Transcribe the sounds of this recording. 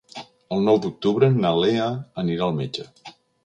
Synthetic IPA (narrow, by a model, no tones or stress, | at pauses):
əlˠnɔwd̪uk̚t̪uβɾənaleəəniɾaəlˠmed͡ʒə